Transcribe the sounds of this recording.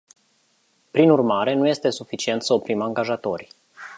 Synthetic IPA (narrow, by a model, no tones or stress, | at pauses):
pɾinurmaɾe̞nuje̞st̪e̞sufit͡ʃie̞nt̪səopɾimaŋɡaʒat̪o̞rʲ